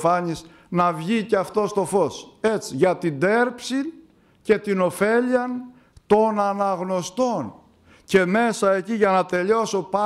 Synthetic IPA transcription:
fɐɲis | nɐvʝiceɐft̪o̞st̪o̞fo̞se̞t͡siʝɐt̪ind̪e̞ɾpsin | ce̞t̪ino̞fe̞ʎiɐn | t̪o̞nɐnɐɣno̞st̪o̞n | ce̞me̞sɐe̞ciʝɐnɐt̪e̞ʎo̞so̞pɐ

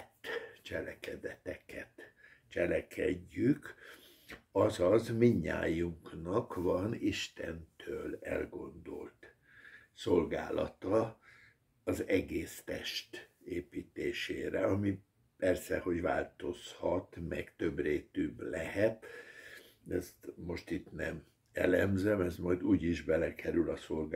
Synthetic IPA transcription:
t̪ːt͡ʃɛlɛkɛd̪ɛt̪ɛkɛt̪ | t͡ʃɛlɛkʰɛɟːyk | ɒzɒzmiɲːa̰ːjuŋknɒkvɒniʃt̪ɛnt̪ʰøːlɛ̰lɡo̞nd̪o̞̰lt̪ | so̞lɡa̰ːlɒ̰t̪ɒ | ɒzɛɡeːst̪ɛʃt̪eːpiːt̪eːʃeːɾɛɒmi | pɛrsɛho̞ɟva̰ːlt̪o̞shɒt̪mɛ̰ɡt̪ø̞breːt̪yblɛhɛt̪ | ɛst̪mo̞ʃt̪it̪nɛm | ɛ̰lɛmzɛmɛzmɒjd̪uːɟiʒbɛlɛkʰɛɾylɒsolɡ

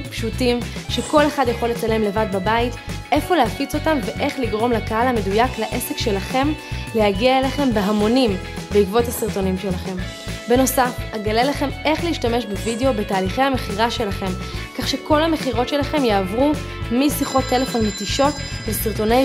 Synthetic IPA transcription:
pʃutimʃe̞ko̞le̞χadjaχo̞lːe̞t͡sale̞mle̞vad̚babaitʔe̞foleafit͡so̞tamve̞ʔe̞χliɡʁo̞mlakahalhame̞dujaklaʔe̞se̞kʃe̞laχe̞mle̞haɡiaeleχe̞mbeɦamo̞nimbeikvo̞thasiʁto̞nimʃe̞laχe̞m | be̞no̞safaɡalelaχe̞me̞χleiʃtame̞ʃbevideo̞be̞taːliχejhame̞χiʁaʃe̞laχe̞mkaχʃe̞ko̞lhame̞χiʁo̞tʃe̞laχe̞mjeavʁu | misiχo̞tʰːe̞le̞fo̞nmetiʃo̞tbesiʁto̞ne

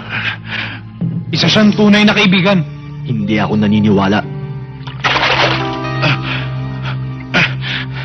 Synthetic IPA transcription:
ʔɪsɐʃaŋt̪uːnɐjnɐkɐʔɪbiːɡɐn | hɪnd̪iʔɐkonɐniːnɪwaːlaʔ

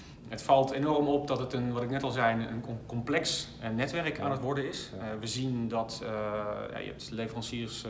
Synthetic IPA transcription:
ɦətfɑlˠtʰenɔrmɔp̚dɔtətənʋɔtɪknɛtɔlˠzɛjənnkɔmplɛks | nɛtʋɛrkʰaːnətʋɔɹdəɪsʋəzindɔt | ja̰jə̰ɛ̰p̚tlefərɑnsiərs

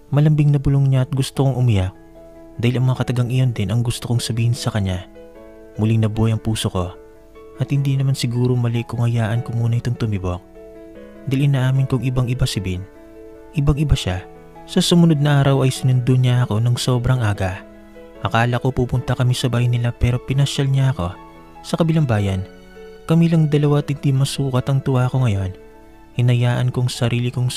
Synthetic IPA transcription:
mɐlɐmbiŋnɐbʊloŋɲaʔɐt̪̚ɡʊst̪okoŋʔʊmɪjak̚ | d̪aːhɪlʔɐŋmɐŋakɐt̪ɐɡaŋɪjo̞nd̪ɪnʔɐŋɡʊst̪okoŋsɐbiːhɪnsɐkɐɲɲa | mʊlɪŋnɐbojɐŋpuːsoko̞ | ʔɐt̪hɪnd̪inɐmansɪɡuːɾomɐlɪkːʊŋhɐjaːʔɐnkʊŋmuːnɐɪt̪oŋt̪ʊmɪbo̞k̚ | d̪ɐilʔɪnɐʔaːmɪnkʊŋʔɪbaŋɪbasɪbin | ʔɪbaŋɪbaʃa | sɐsʊmʊno̞d̪̚nɐʔaːɾɐwɐjsɪnʊnd̪oɲaʔɐko̞nɐŋso̞bɾɐŋʔaːɡɐ | ʔɐkaːlɐkopupʊnt̪ɐkɐmisɐbaːjnɪlapɛːɾo̞pɪnɐʃalɲaʔɐko̞ | sɐkɐbɪlaŋbaːjɐn | kɐmilɐŋd̪ɐlɐwat̪hɪnd̪imɐsuːkɐt̪ɐŋt̪ʊwaɐko̞ŋɐjo̞n | hɪnɐjaːʔɐnkoɐŋsɐɾiːlɪkoŋ

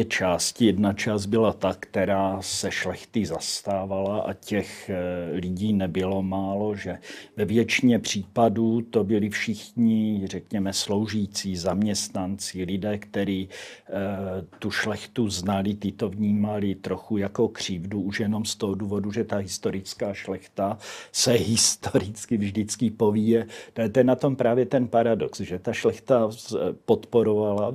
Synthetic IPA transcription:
t̪ɛt͡ʃaːscɪjɛdnat͡ʃaːsd̪̚bɪlat̪akt̪ɛɾaːsɛʃlɛxt̪ɪzast̪aːvalaʔa̰cɛxlɪɟiːnɛbɪlo̞maːlo̞ʒɛvɛvjɛt͡ʃɪɲɛpr̝̥iːpaduːt̪o̞bɪlɪfʃɪxɲɪr̝ɛkɲɛmɛslo̞wʒit͡sizamɲɛst̪nant͡sɪlɪdɛːkt̪ɛɾiː | t̪uʃlɛxt̪uznalɪt̪ɪt̪o̞vɲiːmalɪt̪ɾoxujako̞kr̝̥iːvduuʃjɛno̞mst̪oɦoduːvo̞duʒɛt̪aɦɪst̪o̞ɾɪt͡skaːʃlɛxt̪asɛɦɪst̪oɾɪt͡skɪvʒdɪt͡skɪpovijɛt̪ɛt̪ɛnːat̪o̞mpɾaːvjɛt̪ɛnpaɾadoksʒɛt̪aʃlɛxt̪apot̪po̞ɾovala

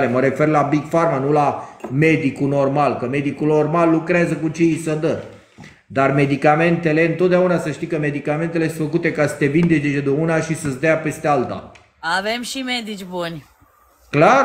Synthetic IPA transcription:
leməɾe̞fe̞rlabiɡfarmanulame̞d̪ikuno̞rmalkəme̞d̪ikulno̞rmalːukɾeazəkut͡ʃejsəd̪ə | d̪arme̞d̪ikame̞nt̪e̞leɨnt̪ot̪̚d̪eaunasəʃt̪ijkəme̞d̪ikame̞nt̪e̞le̞sɨ̥fəkut̪e̞kasə̥t̪e̞vind̪e̞t͡ʃet͡ʃed̪eunaʃisəsd̪əjape̞st̪ealt̪a̰ | avemʃimed̪it͡ʃʲbunʲ | kla

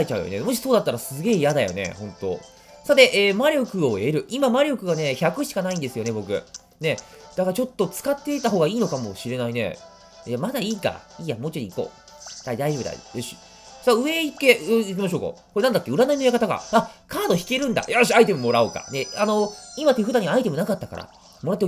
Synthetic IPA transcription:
ait͡ɕaɯ̰jo̰ne̞̰mo̞ɕ̬i̥so̞ːd̪at̪ːaɾasɨɡe̞ːjad̪ajo̞̰ne̞̰hõ̞nt̪o̞̰ | sat̪e̞ʔeːmaɾʲjo̞kɯ̟o̞e̞ɾɯ̟ʔimamaɾʲo̞kɯ̟ɡane̞çakɯ̟ɕi̥kanaĩnd̪e̞sɨjo̞ne̞bo̞kɯ̟̰ | ne̞ | d̪̥akaɾat͡ɕo̞t̪ːo̞t͡sɨ̥kat̪ːe̞it̪aɦo̞ːɡaiːno̞kamo̞̰ɕiɾe̞naine̞̰ | jamad̪aiːka̰iːjamot͡ɕioiko̞̰ː | d̪̥aid̪aiʑo̞bɯd̪a̰ḭɾeɕi | saɯ̟e̞it̪ːe̞ik̬ʲimaɕo̞ːka̰koenãnd̪akːe̞ɯ̟ɾanainojakat̪aɡa̰akʰaːd̪o̞çi̥ke̞ɾɯ̟̃nd̪a̰jaɕiait̪e̞momo̞ɾaoka̰ne̞ano̞imat̪ːeɸɯ̟d̪ãɲ̟iaait̪e̞mo̞nakat̪ːaka̰ɾʔa̰ | mo̞ɾat̪ːe

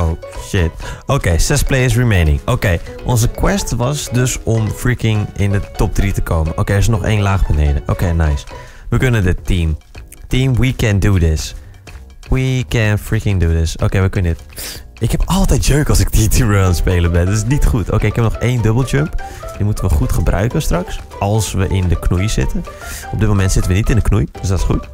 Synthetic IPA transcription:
o | ʃɪtowkejsɛsplejɪs̬ɹimejnɪ̰̃ŋowkej | ʔɔnzəkwɛstʋɑsdøsɔmfɹikɪŋɪndətɔp̚dritəkʰowmənʔo̰wkejɛɹsənɔχḛːnlaːχbənejdəʔoːkejnajs | ʋəkønəndətim | timwikɛ̃ndudɪs | wikɛnfɹikɪŋdudɪso̰ːkejʋəkønənɪtʔɪkhɛpɑlˠtɛjt̚d͡ʒøːkɑlˠsɪk̚ditʰiɹoãnspeːləbɛndtɪsnitχuto̰wkeːɪkɦɛp̚nɔχeːndøbəlˠd͡ʒømp | dimutənʋəχutχəbrœ̰ɥkənstrɑks | ɑlˠsʋəʔɪndəknujz̥ɪ̰tən | ɔb̚dɪt̚momɛntsɪtən̩ʋənitɪndəknujd̥øsdɔtɪsχṵt

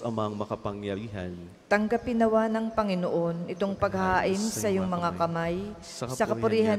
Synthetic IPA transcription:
ɐmaŋmɐkɐpɐŋjɐɾiɦɐ̰n | t̪ɐŋɡɐpɪnɐwanɐŋpɐŋɪnoʔo̞nʔɪt̪o̞ŋpɐɡhaːʔɪnsɐjʊŋmɐŋakɐmaj | sɐkɐpʊɾiːhɐ

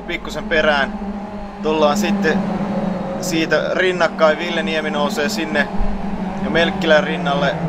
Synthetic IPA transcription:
pikːusemperæːn | t̪ulːɑːnsit̪ːe | siːt̪ærinːɑkːɑiʋiljɑnieminouseːsinːe | jɑmelkːilærinːɑlːe

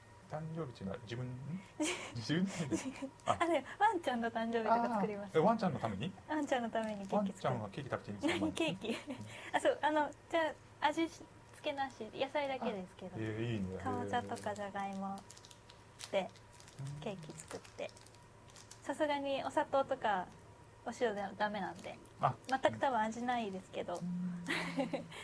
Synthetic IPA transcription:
t̪ãɲd͡ʑo̞ːbʲit̪ːna̰d͡ʑibɯ̟̃ɲd͡ʑid͡ʑibɯianeβãɲt͡ɕãnːot̪ãɲ̟d͡ʑo̞ːbʲiokaɨɨkɯɾʲimasɨβãɲt͡ɕãnːot̪ame̞ɲiãɲt͡ɕãnːot̪ame̞ɲ̟ike̞kʲit͡sɨ̥ake̞ːkit̪akɯ̟̥t̪eɲːinaɲike̞ːkʲiasoːʔano̞d͡ʑaː | aʑiɕ | t͡sɨ̥ke̞naɕijasaid̪ake̞d̪e̞sɨ̥ke̞d̪oikaβat͡ɕat̪o̞kaʑaɡaimo̞ | t̪e̞ | ke̞ːkʲit͡sɨ̥kɯ̟t̪ːe̞ | sasɨɡaɲ̟io̞sat̪o̞ːt̪o̞ka | oɕiɾod̪ed̪ame̞nãnd̪e̞̰ | amat̪ːakɯ̟̥t̪abɯ̟̃aʑinaid̪e̞sɨ̥ke̞d̪o̞

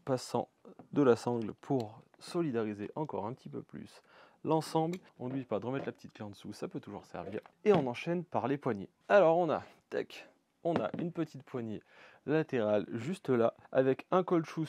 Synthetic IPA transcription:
pasɑ̰̃d̪əlasɑ̃ɡlpʰuʁ | sɔlid̪aʁizeʔɑ̃kɔʁɛ̃pət̪ipø̰ply̰slɑ̃sɑ̃bl | ɔ̃d̪ɥipad̪əʁəmɛt̪lapət̪it̪̚klɑ̃d̪əsusapøt̪uʒṵʁsɛ̰ʁvḭːʁeɔ̃nɑ̃ʃɛnpaʁlepwaɲḛ | alɔʁɔ̃nat̪ɛ̰k | ɔ̃na̰ʔynpət̪it̪pwaɲje | lat̪eʁalʒyst̪əlaavɛkɛ̃kɔlʃu

